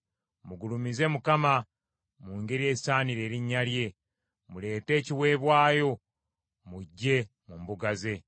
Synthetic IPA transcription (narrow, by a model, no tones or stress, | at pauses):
muɡulumize̞mukama | muːŋɡe̞ɾie̞ːisaːniɾe̞ːɾiɲːalje̞ | mule̞ːte̞ːciwe̞ːβwaːjo̞ | muɟːe̞ | mumbuɡaze̞